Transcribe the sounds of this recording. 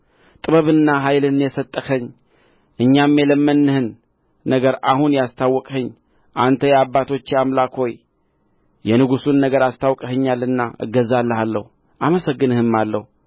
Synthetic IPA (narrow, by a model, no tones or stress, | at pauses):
t̪ʼɨβəβɨnːaɦajlɨnjɛsət̪ʼːəxəɲː | ʔɨɲːamːjɛləmːənːɨhɨnː | əɡəɾahunjast̪ʰawːɔkʼhɨɲː | ʔant̪ʰəjɛabːat̪ʰo̞t͡ʃːeamlakho̞j | jɛnɨɡusunːəɡəɾast̪ʰawkʼhɨɲːalːɨnːaʔɨ̰ɡːəzalːəhalːə̰hu | ʔaməsəɡːɨnɨhɨmːalːə̰hu